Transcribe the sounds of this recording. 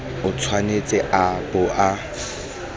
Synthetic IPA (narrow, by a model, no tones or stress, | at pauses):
ʊt͡sʰwanet͡sʼɛʔapʼʊʔa